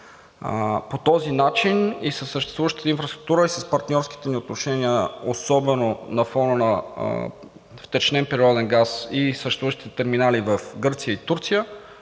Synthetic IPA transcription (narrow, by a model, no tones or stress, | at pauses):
pot̪ɔzinat͡ʃinisəsːəʃt̪ɛ̥st̪vuvəʃt̪ə̥t̪əinfɾɐst̪ɾuk̚t̪uɾəisəspɐɾt̪nʲɔɾski̥t̪ɛniot̪noʃɛniəosɔbɛnonɐfɔnənɐ | ft̪ɛt͡ʃnɛnpɛɾiɔd̪ɛnɡasisəʃt̪ɛst̪uəʃt̪it̪ɛt̪ɛɾminalivɐfɡɤɾt̪sijəit̪uɾt̪sijə